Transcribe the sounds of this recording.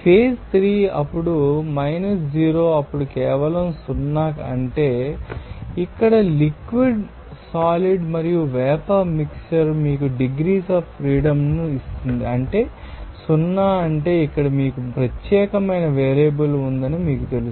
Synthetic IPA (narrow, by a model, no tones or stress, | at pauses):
pʰeːst̪ʰɾiːɐ̰pːuɽumɐjnɐsd͡ʒiːɾo̞ːɐpːuɽukɛːʋɐlɐmsunːaːkɐ̰ɳʈe̞ː | ikːɐɽɐlikʋiɖ | saːliɖmɐɾijuʋɛːpɐmiksɐɾmiːkuɖiɡɾiːsɐːfpːɾiːɽɐmnuist̪und̪iɐɳʈe̞ː | sunːaːɐɳʈe̞ːikːɐɽɐmiːkupɾɐt̪jɛːkɐmɐjnɐʋeːɾebɐlund̪ɐnimiːkut̪e̞lu